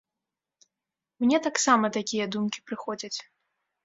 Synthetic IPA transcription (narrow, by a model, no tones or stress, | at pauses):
mnʲɛt̪aksamɐt̪akʲijɐd̪umkʲi̥pɾɨxɔd͡zʲɐt͡sʲ